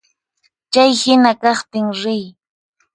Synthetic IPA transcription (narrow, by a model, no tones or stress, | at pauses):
t͡ʃajhɪnakɑχt̪ɪŋɾɪj